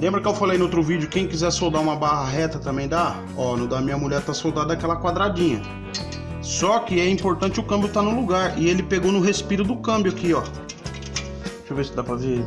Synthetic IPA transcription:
lẽmbɾɐkɪewfalejnot̪̬ɾʊvid͡ʒʊkẽj̃kizɛɾsowd̪aɾũmɐbaɦɐɦɛt̪ɐt̪ɐ̃mbẽj̃d̪a | ɔnũd̪ɐmĩɲɐmuʎɛɾt̪asowd̪ad̪ɐd̪akɛlɐkwad̪ɾad͡ʒĩɲɐ | sɔkɪɛĩpoɾt̪ɐ̃t͡ʃɪʊkɐ̃mbjʊt̪anʊluɡaɾɪelɪpeɡownʊɦespiɾʊd̪ʊkɐ̃mbjʊakiɔ | t͡ʃovesɪd̪apɾɐve

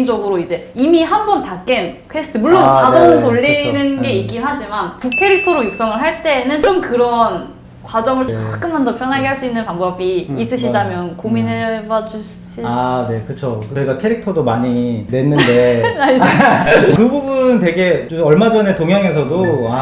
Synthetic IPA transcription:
nd͡ʑʌɡɯɾoid͡ʑe̞imiɦambʌntak͈enkʰwesʰɯ̥tʰɯmuɭːont͡ɕadoɯtoʎːinɯnɡe̞ik͈inɦad͡ʑimantukʰe̞ɾik̚tʰʌɾojok̚s͈ʌŋɯɭɦaɭt͈e̞nɯnt͡ɕomkɯɾʌn | kwad͡ʑʌŋɯɭt͡ɕk͈ɯnmand͡ʑʌpʰjʌnɦaɡeɦaɭs͈uinːɯnpaŋbʌbiːs͈ɯɕʰidamjʌnkominebad͡ʑu | ɕʰiane̞kɯt͡ɕʰokɯʌɡakʰe̞ɾik̚tʰʌdomaɲine̞nːɯnde̞ai | kɯbubunnt̬e̞ɡe̞t͡ɕomʌɭmad͡ʑʌne̞toŋɦjʌŋe̞s̬ʰʌdoa

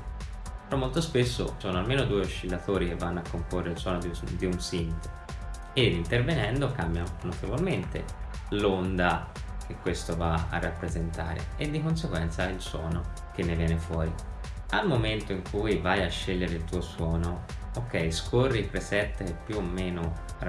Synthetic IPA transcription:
peɾɔmːolt̪ospesːo̰sɔːnoalmeːnod̪uːeoʃːilːat̪oːɾikevːanːoakːomporːeilswɔːnod̪d̪iunsint̪o̥ | eint̪ervenɛnd̪okambjanot̪ʰevolment̪ḛ | lond̪a | k̟ekːwest̪ovaa̰rːapːɾezent̪a̰ːɾḛed̪ːikonseɡwɛnt̪sailswɔːno | k̟enːevjɛːnefwɔːɾi | almoment̪oiŋkʰujvajaʃːeʎːeɾeilt̪uːoswɔːnookːɛjskʰorːipɾesɛt̪ːekepːjuomːeːno

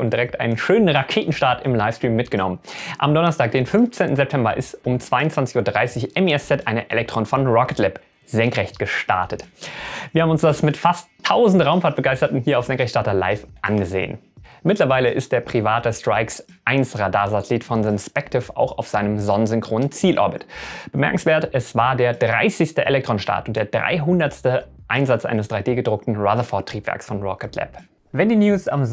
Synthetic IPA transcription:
ʊnd̥iʁɛk̚tʔa̰ɪnənʃøːnənʁakʰeːtn̩ʃtaɐtɪmlaɪfstʁ̥iːmːɪtɡ̥ənɔ̰mənʔa̰mdɔnɐstaːk̚d̥eːnfʏnft͡seːntn̩zɛp̚tʰɛmbɐʔɪstʊmt͡sv̥aɪʊnt͡sv̥ant͡sɪçuːɐdʁaɪsɪçʔɛmiɛst͡sɛtʔaɪnəʔɛlɛktʰʁ̥oːnfɔnʁɔkətlɛp | zɛŋkʁɛçtɡ̥əʃta̰ɐtətviɐhabm̩ʊnsd̥asmɪtfastʰːaʊzn̩tʁaʊmfaɐt̚b̥əɡaɪstɐtn̩hiːɐaʊfz̥ɛŋkʁɛçtʃtaɐtɐla̰ɪfʔa̰nɡəzḛːə̰n | mɪtlɐvaɪləʔɪst̚d̥eːɐpʁ̥ivaːt̚dəstʁ̥aɪksʔaɪnsʁadaːɐzatɛliːtfɔnzɪnspɛktʰɪfa̰ʊxa̰ʊfz̥aɪnəmzɔnənzʏŋkʁ̥oːnənt͡siːlʔɔ̰ɐbɪtb̥əmɛɐkŋ̩sv̥eːɐtʔɛsv̥aːɐdeːɐdʁa̰ɪsɪçstəʔḛlɛk̚tʁ̥oːnʃta̰ɐtʊntd̥eːɐdʁa̰ɪɦʊndɐtstəʔaɪnzat͡sʔa̰ɪnəsd̥ʁaɪdeːɡədʁʊk̚tn̩ʁaðɐfɔɐtʁ̥iːpv̥ɛ̰ɐksfɔnʁɔkətʰlɛ̰p | vɛndiːnjuːsa̰m

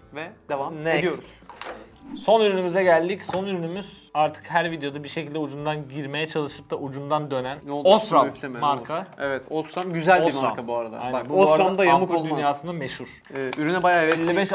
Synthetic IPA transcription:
vɛd̪evamnɛd̪ijoɾuz | so̞nyɾynymyzɛɟælʲd̪icso̞nyɾynymyz̥aɾt̪ʰɯ̥kɦæɾvid̪ejo̞d̪abiɾʃecʰilʲd̪ɛud͡ʒund̪anɟiɾme̞jɛt͡ʃʰalˠɯʃɯ̥p̚t̪aʔud͡ʒund̪and̪ø̞nænnoost̪ɾamft̪ʰememaɾkʰaevɛt̪ost̪ɾamɟyzælʲoimaɾkabuaɾad̪a̰anɛbuoaɾaɾamd̪ajamɯkolˠd̪yjaːsɯnameʃuɾ̥ | yɾynɛbajaːɛlːibɛʃ

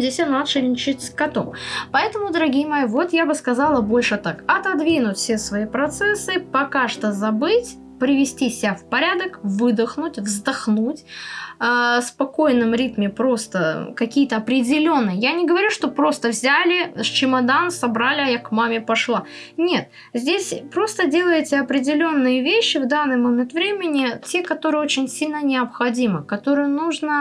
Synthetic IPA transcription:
zʲdʲesʲanat̪ʂɨlʲɪnʲɪt͡ɕɪtʲskɐt̪o̰mpɐɛt̪əmʊd̪əɾɐɡʲijəmɐjivo̞t̪jabɨskɐzɑlˠəbo̞lʲʂɨt̪akɐt̪ɐd̪vʲinʊt̪ʲfʲsʲesvɐipɾɐt̪sɛsːɨpɐkaʂt̪əzɐbɨtʲ | pɾʲɪvʲɪsʲtʲisʲɪafpɐɾʲad̪əkvɨd̪əxnʊtʲvzd̪ɐxnutʲː | spɐko̞jnːɨmɾʲit̪mʲɪpɾo̞st̪əkɐkʲijət̪əɐpɾʲɪdʲɪlʲo̞nːɨjəjanʲɪɡəvɐɾʲuʂt̪o̞pɾo̞st̪əvzʲælʲɪst͡ɕɪmɐd̪ansɐbɾalʲɪɐjakmamʲɪpɐʂlˠa | nʲe̞t̪̚ | zʲdʲesʲpɾo̞st̪ədʲe̞lˠəjɪtʲɪɐpɾʲɪdʲɪlʲo̞nːɨjəvʲeɕːɪvd̪anːɨjmɐmʲɛt̪vɾʲemʲɪnʲɪtʲe̞kɐt̪o̞ɾɨjəot͡ɕɪnʲsʲilʲnənʲɪɐpxɐdʲimɨkɐt̪o̞ɾɨjənuʐnə

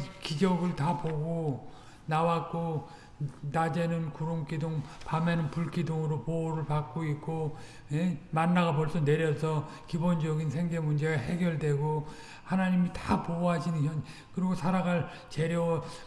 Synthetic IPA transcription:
kid͡ʑʌɡɯɭtapoɡo | nawak͈o | nad͡ʑenɯnkuɾoŋk͈idoŋpamenɯnpuɭk͈idoŋɯɾopooɾɯɭpak͈oik̚k͈o | emanːaɣap̬ʌɭs͈ʌne̞ɾjʌsʰʌ | kibond͡ʑʌɡinsʰe̞ŋɡe̞mund͡ʑe̞ɡaɦe̞ɡjʌɭdwe̞ɡo | hanaɲimitapoɦaɕinɯnçʌn | kɯɾiɡosʰaɾaɡaɭ | t͡ɕe̞ɾjʌwʌ

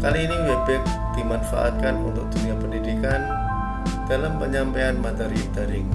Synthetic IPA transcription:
kaliːniwebɛk̚ | d̥imanfa̰ʔa̰t̪̚kanunt̪ʊk̚d̥uniapəndidikan | d̥alampəɲampeanmat̪əɾit̪aɾɪŋ

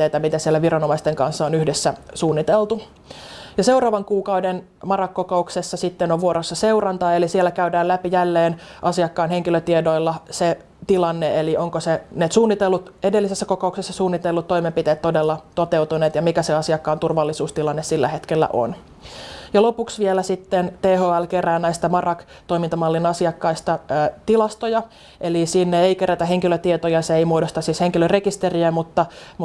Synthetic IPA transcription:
eit̪æmit̪æsielːæʋiɾɑnomɑist̪eŋkɑnsːɑonyhdesːæsuːnːit̪elˠt̪u | jɑse̞wrɑːʋɑŋkuːkɑwden | mɑrɑkːokouksesːɑsit̪ːenoʋʋuoɾosːɑse̞uwrɑnt̪ɑːelisielːækæydæːlæpijælːeːnʔɑsiɑkːɑːnhe̞ŋkiløt̪iedoilːɑse | t̪ilɑnːeelio̞ŋkoseneːt̪suːnːit̪elːut̪e̞delːisesːæko̞kouksesːɑsuːnːit̪elːut̪ːo̞imempit̪eːt̪t̪o̞delːɑt̪ot̪e̞wt̪uneːt̪jɑmikæseɑsiɑkːɑːnt̪urʋɑlːisuːst̪ilɑnːessilːæhet̪kelːæ̰ʔo̰n | jɑlo̞puksʋielæsit̪ːent̪eːɦoːælkeræːnnæist̪æmɑrɑk | t̪o̞imint̪ɑmɑlːinɑsiɑkːɑist̪ɑt̪ilɑst̪ojɑ | ʔelisinːeeikeɾæt̪æɦeŋkiløt̪iet̪ojɑseeimuodost̪ɑsisheŋkiløre̞kist̪eriæmut̪ːɑmu

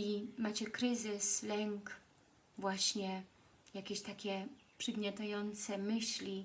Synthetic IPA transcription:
imat͡ɕɛkɾɘzɘslɛŋk | vwaɕɲɛ | jakʲeɕt̪akʲɛ | pʂɛɡmɲʲat̪ajɔnt̪sɛmɘɕlʲi

